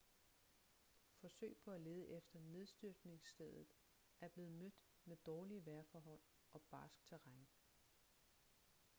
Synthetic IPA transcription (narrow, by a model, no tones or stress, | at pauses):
fɒ̽sø̰ɪpʰɒ̽æle̝ːð̞ˠəʔefd̥ɐne̝ð̞ˠsd̥yɐɡ̥ne̝ŋsd̥eðˠð̩ˠ | æɐb̥le̝ːð̞̩ˠmød̥ | med̥ɒːliəʋæɐfɒːɦɒ̽l̰ | ɒ̽b̥ɑ̈ːsɡ̥̚t͡sʰæʁaŋ